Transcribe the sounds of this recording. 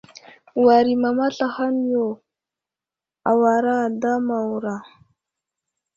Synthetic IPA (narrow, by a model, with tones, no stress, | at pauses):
wa˨ɾi˨ma˨ma˦ɬa˨xa˦n˦jo˨ | a˨wa˨ɾa˦˨da˦ma˨wu˨ɾa˨